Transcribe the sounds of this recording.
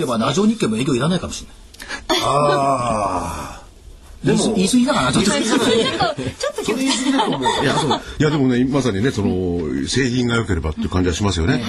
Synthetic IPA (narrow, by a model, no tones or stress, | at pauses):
ebanaʑo̞ːɲ̟ikːẽ̞mːo̞e̞ːkʲoiɾanaikamo̞ɕiɾna | a | d̪isisɨɡʲid̪akanat͡ɕott̪ːe | ot͡ɕot̪ːok̪eisɨɡʲd̪et̪omojat̪oijad̪e̞mo̞ne̞masaɲ̟ineso̞no̞se̞ːçĩŋɡajo̞ke̞ɾe̞ba̰t̪ːeiɯ̟kãɲ̟d͡ʑiaɕimasɨjo̞ne̞